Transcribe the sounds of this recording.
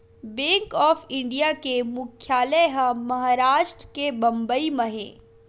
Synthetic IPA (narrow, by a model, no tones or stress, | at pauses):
bẽːŋkɔːfɪ̃ɳɖijakemʊkʰːjaːləjɦəmɐɦaɾaːʃʈɾəkebɐ̃mbəiməɦḛ̃ː